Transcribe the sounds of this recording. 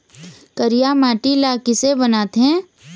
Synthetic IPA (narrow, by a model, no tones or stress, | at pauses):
kəɾijamaːʈilaːkɪsebənaːt̪ɦɛ̃ː